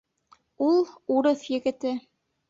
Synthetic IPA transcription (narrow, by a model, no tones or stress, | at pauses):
ulˠuɾɤθjɘ̆ɡɘ̆t̪ɘ